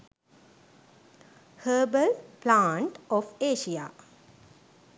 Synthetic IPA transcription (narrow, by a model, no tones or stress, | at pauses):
həːbəlplãːɳʈɔfeːʃija̰